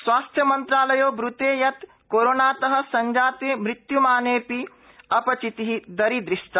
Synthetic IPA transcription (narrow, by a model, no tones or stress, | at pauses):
sʋaːst̪ʰjɐmɐnt̪ɾaːlɐjoːbɾut̪eːjɐt̪ | koːɾoːnaːt̪ɐɦɐ̆sɐɲd͡ʒaːt̪eːmɾɪt̪jumaːneːpi | ɐpɐt͡ʃit̪iɦid̪ɐɾid̪ɾiʂʈɐ